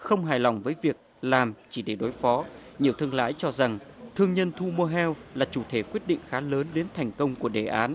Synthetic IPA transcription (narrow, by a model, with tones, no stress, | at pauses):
xə˧wŋ͡mɦaː˨˩jlɔ˨˧˩wŋ͡mvəː˨˦jvi˨˩ək̚laː˨˩mt͡ɕi˧˩ɗe˧˩ɗo˨˦jfɔ˨˦ɲi˨˩əwt̪ʰɨ˧əŋla̰ː˧˥jt͡ɕɔ˧za˨˩ŋt̪ʰɨ˧əŋɲə˧nt̪ʰu˧mo˧ɦɛ˧wlaː˨˩t͡ɕu˧˩t̪ʰe˧˩kwi˦˥ət̚ɗḭ˧˨ŋ̟xaː˨˦ləː˨˦nɗe˨˦nt̪ʰɛ˨˩jŋ̟kə˧wŋ͡mku˧˩əɗe˨˩ʔaː˨˦n